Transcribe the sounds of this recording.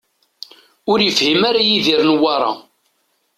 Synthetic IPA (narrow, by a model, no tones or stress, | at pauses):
ʊɾjəfhimaɾajiðiɾnwɑɾˤɑ̰